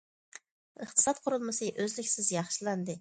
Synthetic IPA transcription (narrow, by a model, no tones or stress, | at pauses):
əχt̪ʰɨ̥sɑt̪̚qʰʊɾulˠmɨsɨʔøzlɪkʲsɪzjɑχʃilˠɑnd̪ɨ